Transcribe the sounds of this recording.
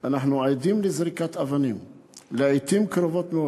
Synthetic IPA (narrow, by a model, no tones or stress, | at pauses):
ʔanaħnuʕajd̪imlizɾikat̪ʕavanimleʕit̪imkɾovot̪me